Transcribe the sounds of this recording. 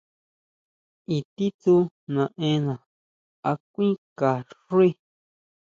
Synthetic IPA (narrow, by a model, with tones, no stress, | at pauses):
i˧t̪i˦t̪u˧ | nã˨ʔẽ˧˦nã˨ | a˧kʷĩ˦ka˨ʂu˦i˦